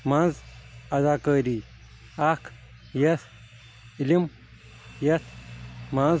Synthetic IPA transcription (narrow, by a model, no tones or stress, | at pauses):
mãːnd͡zɐd̪akəːɾi | akʰ | jɐs | ilim | jɐt̪ʰmãːz